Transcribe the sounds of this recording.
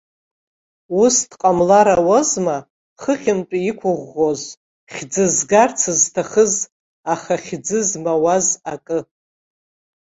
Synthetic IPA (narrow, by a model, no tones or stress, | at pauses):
ustʰqʼamlaɾawozma | χəχʲɪmt͡ʃʼiikʷʰʊʁʷːoz | χʲd͡zɨzɡart͡sʰɨztʰaχəz | aχaχʲd͡zɨzmawazakʼɨ